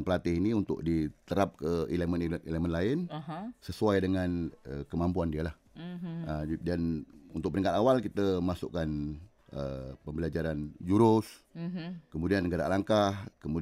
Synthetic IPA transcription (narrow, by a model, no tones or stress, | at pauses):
npəlat̪ɪhiniunt̪ʊ̰ʔ̚dit̪əɾap̚kəeləməneləmənlaɪnsəsuajdəŋanəkəmampuandiəlah | ədanunt̪ʊk̚pəniŋkat̪awalkit̪əmasʊ̰ʔkan | ə̰pəmbəlad͡ʒaɾand͡ʒuɾʊs | kəmudianːəɡaɾa̰laŋkahkəmu